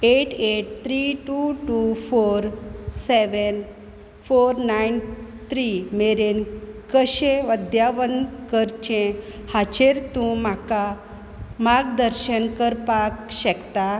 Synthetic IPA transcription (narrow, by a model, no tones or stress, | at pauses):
eʈeʈ̚t̪ʰɾiʈuʈufoɾseʋən | foɾnajnt̪ɾimeɾenkəɕẽʋəd̪jaʋənd̪kəɾt͡ɕẽhat͡ɕeɾt̪ũm̤aka | maɾɡd̪əɾɕənkəɾpakɕɛkt̪a